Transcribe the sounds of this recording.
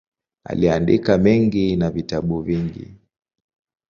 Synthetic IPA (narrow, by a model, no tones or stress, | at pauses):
a̰liandikamɛŋɡinavitaɓuviŋɡḭ